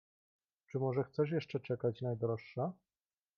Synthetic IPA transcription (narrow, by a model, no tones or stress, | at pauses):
t͡ʂɘmɔʐɛxt̪sɛʂ̬jɛʂt͡ʂɛt͡ʂɛkat͡ɕnajd̪ɾɔʂːa